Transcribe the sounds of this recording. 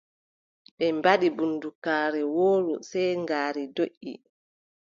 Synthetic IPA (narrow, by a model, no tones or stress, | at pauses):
ɓɛmbaɗibundukaːɾɛwoːɾṵsɛjŋɡaːɾidoʔːḭ